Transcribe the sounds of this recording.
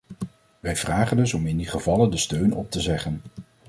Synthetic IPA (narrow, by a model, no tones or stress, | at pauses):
ʋɛjvraːχəndɵsɔmɪndiχəvɑləndəstøɥnɔ̰p̚təzɛχən